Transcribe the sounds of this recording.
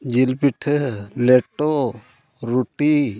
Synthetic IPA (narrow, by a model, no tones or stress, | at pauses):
d͡ʒilpiʈʰleʈo | ɾuʈi